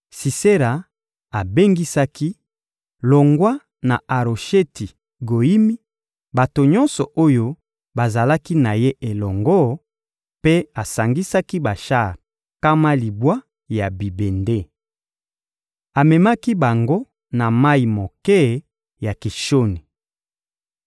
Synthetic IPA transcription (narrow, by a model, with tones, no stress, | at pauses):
si˨se˦ɾa˨ | a˨be˦ŋɡi˦sa˦ki˦ | lo˨ŋɡwa˦ | na̰˨a˨ʁo˨ʃe˦ti˨ | ɡo˨i˦mi˦ | ba˨to˨ɲɔ̃˦nsɔ˨ʔo˦jo˦ | ba˨za˨la˦ki˦na˨je˦ʔe˨lɔ˨ŋɡɔ˦ | pe˦a˨sa˨ŋɡi˦sa˦ki˦ba˨ʃa˦˨ʁ | ka˦ma˦li˨bwa˦ | ja˨bi˨be˨nde˦ | a˨mɛ˨ma˦ki˦ba˨ŋɡo˦ | na˨ma˦i˨mo˨kɛ˦ | ja˨ki˨ʃo˦ni˨